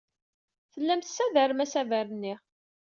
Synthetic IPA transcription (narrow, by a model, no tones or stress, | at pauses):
θəlːæmθsævəɾmæsævæɾənːi